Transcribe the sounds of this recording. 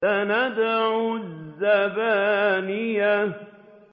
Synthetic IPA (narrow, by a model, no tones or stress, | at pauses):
anad̪aʕʊzːabanijːa